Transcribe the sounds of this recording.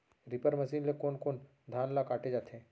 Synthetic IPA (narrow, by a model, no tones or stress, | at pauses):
ɾɪpəɾmɐsiːnlekoːnkoːn | d̪ʱaːnlakaːʈed͡ʒaːt̪ʰɛ̃ː